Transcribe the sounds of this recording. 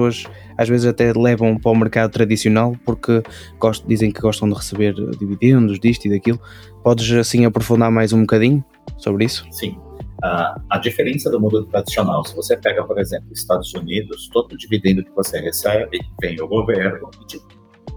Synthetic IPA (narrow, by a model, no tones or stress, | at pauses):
soɐʃ | aʒvezɨzɐt̪ɛlˠɛvɐ̃w̃pɾɔmɨɾkaðʊt̪ɾɐðisiunalˠpuɾkɨ | ɡɔʃd̪izẽj̃kɨɣɔʃt̪ɐ̃w̃d̪ɨʁɨsɨβeɾ̰d̪iviðẽnd̪ʊʒd̪iʃt̪uiðɐkilˠʊ | pɔðɨʃɐsĩɐpɾufũnd̪aɾmajzũbukɐðiɲʊ | soβɾisʊ̥sĩ | aɐd͡ʒifeɾẽsɐd̪ʊmũnd̪ʊt̪ɾɐd̪isionawsɪvosepɛɡɐpoɾezẽmplʊiʃt̪ad̪ʊzunid̪ʊst̪od̪ʊd͡ʒivid̪ẽnd̪ʊkɪvoseɛesɛbɪvẽj̃ʊɡoveɾnʊ̃ɪt͡ʃipu